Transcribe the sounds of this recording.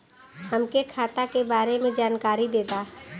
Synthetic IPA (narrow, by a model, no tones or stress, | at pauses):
hɐmkekʰaːt̪akebaːɾemẽd͡ʒaːnkaːɾid̪eːt̪aː